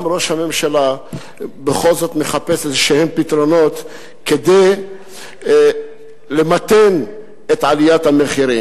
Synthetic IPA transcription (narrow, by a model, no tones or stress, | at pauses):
mɾo̞ʃhamemʃala | beχo̞lzo̞t̪meχapesezeʃehempit̪ɾono̞t̪ | ked̪ej | lemat̪en | et̪ʕalijat̪hameχiɾim